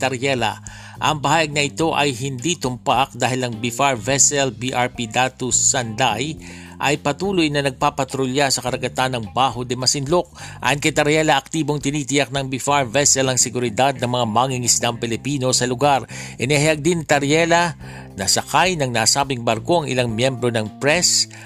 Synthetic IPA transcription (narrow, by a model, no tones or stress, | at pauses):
t̪ɐɾjɛla̰ | ʔɐŋpɐhaːjɐɡ̚nɐʔɪt̪o̞ʔɐjɦɪnd̪it̪ʊmpak̚d̪aːhɪlɐŋbifaɹvɛsɛlbiʔaɹpid̪at̪usɐnd̪aj | ʔɐjpɐt̪uːlʊjnɐnɐɡ̚papɐt̪ɾʊljasɐkɐɾɐɡɐt̪anɐŋbaːɦod̪ɛmɐsɪnlok̚ʔa̰jonkɐjt̪ɐɾjɛlɐʔɐk̚t̪iːbo̞ŋt̪ɪniːt̪ɪjak̚nɐŋbifaɹvɛsɛlɐŋsɛɡʊɾɪd̪ad̪̚nɐŋmɐŋamaŋiŋɪslampɛlɪpiːno̞sɐlʊɡaɾʔɛnɪɦajɐɡ̚d̪ɪnt̪ɐɾjɛlɐ | nɐsɐkajnɐŋnaːsaːbɪŋbɐɾko̞ʔɐŋʔɪ̰laŋmjɛmbɾo̞nɐŋpɾɛs